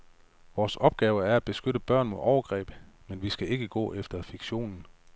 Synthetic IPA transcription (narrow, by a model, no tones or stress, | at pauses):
ʋɒːsɒ̽b̥̚ɡ̥ɛːʊəæɐæ̥b̥e̝sɡ̥øɾəb̥ɶɐ̰nmoðˠɒʊɐɡ̥ʁɛ̰ːb̥menʋisɡ̥æe̝ɡ̥əɡ̥ɔ̰̽ːʔefd̥ɐfiɡ̥ɕo̝̰ːnn̩